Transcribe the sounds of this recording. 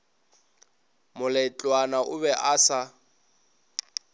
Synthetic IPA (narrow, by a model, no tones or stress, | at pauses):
mʊlɛt͡ɬʼwanaʔʊβɛʔasa